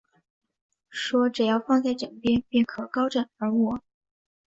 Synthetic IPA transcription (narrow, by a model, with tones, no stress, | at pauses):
ʂwɔ˥ʈ͡ʂɻ̩˨˩jɑ˥˧ʊfɑ˥˧ŋt͡sa˥˩ɪʈ͡ʂə˨˩ŋpjɛ˥npi˥˩nkʰɤ˨˩kɑ˥ʊʈ͡ʂə˨˩nə˞˧˥wɔ˨˩˦